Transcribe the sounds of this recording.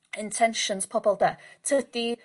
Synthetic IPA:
ɪ̃ntʰɛnʃə̃nz̥pʰɔbəlˠdətʰədi

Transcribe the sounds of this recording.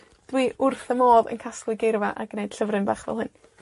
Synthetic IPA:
d̥wiːʔʊrθəmoːðə̰nkʰasklˠɨɡɪrvaʔaɡnejd̥ɬəvrɨnbaːχv̥ɛ̰lˠhɨn

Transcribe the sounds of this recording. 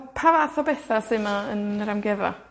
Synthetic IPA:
pʰavaθɔbɛθasɨmaənɾamɡɛva̰

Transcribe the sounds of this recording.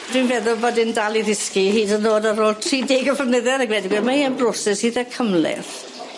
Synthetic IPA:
d̥winvɛðʊlˠbɔːdɪndalˠiðɪskihiːdənoːdaɾoːlˠtʰriːdɪɡəvənəðɛɾəɡwɛdɪɡwɛmaiːənbrɔsɛshiːðakʰəmlɛ̰θ

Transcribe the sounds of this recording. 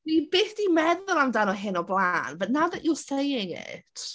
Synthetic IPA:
ib̥ɪːθd̥imɛðʊlˠawndanɔɦɪnɔblˠaːnvɛnaðəʔjɔsejɪŋɪ̰tʰ

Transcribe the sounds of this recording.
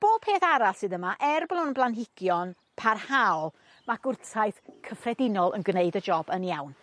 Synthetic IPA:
b̥o̥ːpʰeːθaɾasɨðəmaʔɛrblˠʊnblˠanɦɪɡ̥jɔn | pʰarhalˠ | maɡ̥ʊrtʰajθkʰəfrɛdɪnɔlˠə̰nɡneɨdəd͡ʒɔbənjawn

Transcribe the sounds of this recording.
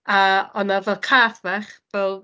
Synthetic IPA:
aɔnavɛlˠkʰaːθvaχvɛlˠ

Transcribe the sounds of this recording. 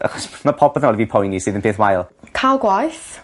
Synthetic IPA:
ʔa̰χɔsmapʰɔbəðənɔlˠivipʰɔjnisiːðənpʰeːθwajlˠkʰalˠɡwajθ

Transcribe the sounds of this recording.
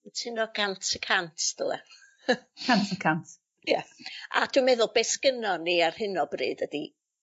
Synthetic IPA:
tʰɨnɔɡ̥antʰəkʰantʰd̥əlˠɛ̰ | kʰantʰəkʰant | jaa̰d̥wumɛðʊlˠbɛskənɔniar̥hɪnɔbrɨ̰ːdədi

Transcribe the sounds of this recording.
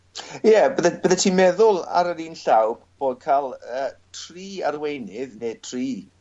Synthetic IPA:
jɛbəðəb̥əðətʰiːmɛðʊlˠa̰ɾəɾiːnɬawb̥b̥oːd̚kʰalˠəːtʰriːarwejnɪðnetʰriː

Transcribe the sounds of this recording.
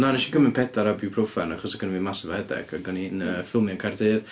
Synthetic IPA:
naɾɪʃiɡəmɪnpʰɛdaɾabjupʰrofanaχɔsaɡənvimasɔvahɛdɛ̰ɡ̥aɡɔninəfɪlˠmiankʰajrdeɨð̥

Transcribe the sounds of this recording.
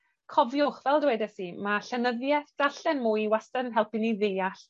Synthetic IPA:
kʰɔvjɔχvɛlˠdwɛdɛsimaɬɛnəðjɛθd̥aɬɛnmujiwastɛnənɦɛlˠpɪniðejaɬ

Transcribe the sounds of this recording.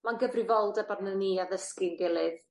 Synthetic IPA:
manɡəvrɨvɔlˠdɛbarnəniaðəskɪnɡɛlˠɨð

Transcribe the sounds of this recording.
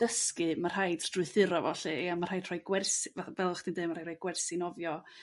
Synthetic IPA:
d̥əskɨmar̥hajdd̥rʊɨθɪɾɔvɔɬɨɛamarhajd̥r̥ɔjɡwɛrsvavɛlˠχd̥indeːmaɾajrɔjɡwɛrsinɔvjɔ

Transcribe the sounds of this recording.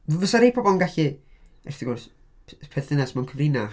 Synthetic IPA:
vəsaɾejpʰɔbɔlˠnɡaɬɨɛrθɪɡursʰ | pʰɛθɪnasmɛwnkʰəvrɪna

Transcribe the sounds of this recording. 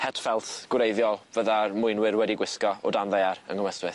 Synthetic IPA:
hɛd̥fɛlˠtɡ̥wɾejðjɔlˠvəðarmʊɨnwɪɾwɛdiɡwɪskɔɔdanðaaɾə̰ŋɡəwɛstwɪθ

